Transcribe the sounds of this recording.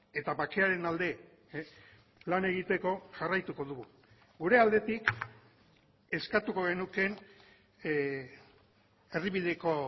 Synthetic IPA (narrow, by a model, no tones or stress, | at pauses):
e̞t̪aβake̞aɾe̞nald̪e̞ | lane̞ɣ̞it̪e̞ko̞ʝarajt̪uko̞ðuɣu | ɡuɾe̞ald̪e̞t̪ik | e̞skat̪uko̞ɣ̞e̞nuke̞n | e̞riβiðe̞ko̞